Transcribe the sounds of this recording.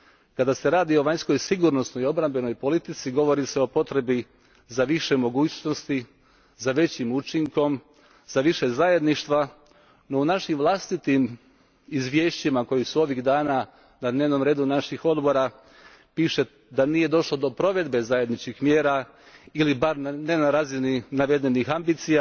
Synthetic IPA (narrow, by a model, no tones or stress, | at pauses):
kad̪ase̞ɾaːd̪io̞ʋaɲsko̞jsiɡuɾno̞snoio̞bɾambe̞no̞jpo̞lit̪it̪siɡo̞ʋo̞ɾise̞o̞po̞t̪ɾe̞bi | zaʋiʃe̞mo̞ɡuːt͡ɕno̞st̪i | zaʋe̞t͡ɕimut͡ʃiŋko̞m | zaʋiʃe̞zaje̞d̪niʃt̪ʋa | no̞unaʃimʋlˠast̪it̪im | izʋje̞ːʃt͡ɕimako̞jisuo̞ʋiɣd̪aːna | nad̪neʋno̞mɾe̞ːd̪unaʃixo̞d̪bo̞ɾa | piʃe̞ | d̪anije̞d̪o̞ʃlo̞d̪o̞pɾo̞ʋe̞d̪be̞zajed̪nit͡ʃkixmjeːɾa | ilibaɾnne̞naɾaːzininaʋe̞d̪e̞nixambiːt̪sija